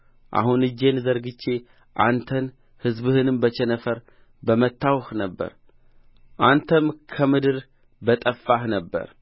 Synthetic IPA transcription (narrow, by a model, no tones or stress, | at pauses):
ʔa̰hunɨd͡ʒːe̞nzəɾɡɨt͡ʃːe̞ | ʔant̪ʰən | hɨzbɨhɨnɨmbət͡ʃʰɛnəfəɾ | bəmət̪ːawxnəbːə̰ɾ | ʔant̪ʰəmkʰəmɨd̪ɨɾ | bət̪ʼəfːahnəbːə̰ɾ